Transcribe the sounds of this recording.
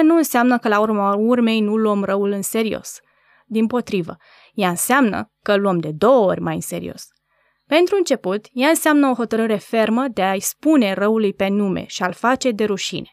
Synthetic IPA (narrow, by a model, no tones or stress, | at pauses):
nuɨnseamnəkəlaurmurme̞jnuluəmrəulɨnse̞ɾio̞̰s | d̪impo̞t̪ɾivə̰ | jaɨnseamnə̰kəluəmd̪e̞d̪o̞wo̞rʲmajɨ̰nse̞̰ɾḭo̞̰s | pe̞nt̪ɾuɨnt͡ʃe̞put̪jaɨnseamnəo̞xo̞t̪əɾɨɾe̞fe̞rməd̪eaispune̞rəulujpe̞nume̞̰ʃialfat͡ʃe̞d̪e̞ɾuʃḭne̞̥